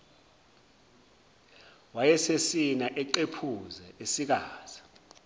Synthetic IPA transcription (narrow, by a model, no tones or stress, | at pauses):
wajɛsesinaʔɛǃepʰuzɛesik̬aːz̥i̥